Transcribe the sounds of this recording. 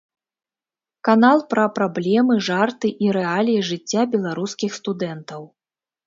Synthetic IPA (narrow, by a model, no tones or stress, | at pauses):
kanalˠpɾɐpɾablʲɛmɨʐart̪ɨʔiɾɛalʲijiʐɨt͡sʲːabʲɛlˠaɾuskʲixst̪ud̪ɛnt̪ɐw